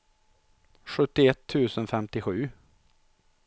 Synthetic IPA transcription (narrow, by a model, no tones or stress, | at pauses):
ɧɵt̪ːɪɛt̪ʰːʉ̟ːsənfɛmt̪ɪɧʉ̟ː